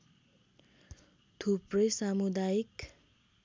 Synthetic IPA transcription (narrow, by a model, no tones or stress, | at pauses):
t̪ʰuprʌjsamud̪ajik